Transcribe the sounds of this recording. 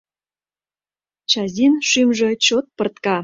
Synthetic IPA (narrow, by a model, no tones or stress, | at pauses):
t͡ɕɑzʲinʃymʒĕt͡ɕot̪̚pɤ̆rt̪kɑ